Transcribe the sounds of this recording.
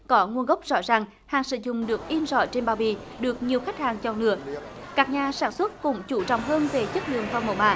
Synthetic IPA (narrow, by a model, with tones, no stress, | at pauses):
kɔ˨˦ŋu˧ənɣə˦˥wk͡p̚zɔ̰˧˥zaː˨˩ŋ | haː˨˩ŋsɨ̰˧˨zʊ̰˧˨ŋ͡mɗɨ˨˩ək̚ʔi˧ənzɔ̰˧˩t͡ɕe˧nɓaː˧˨˩ɓḭ˧˨ | ɗɨ˨˩ək̚ɲi˨˩əwxa˦˥k̚haː˨˩ŋt͡ɕɔ˧˩nɨ̰˧˥ə | kaː˦˥k̚ɲaː˨˩saː˧˩nswt̚kʊ̰˧˥ŋ͡mt͡ɕu˧˩t͡ɕɔ̰˧˨wŋ͡mɦəː˧nve˨˩t͡ɕə˦˥k̚lɨ̰˧˨əŋfa˧˩ŋ͡mmo̰˨˧˩wma̰ː˧˨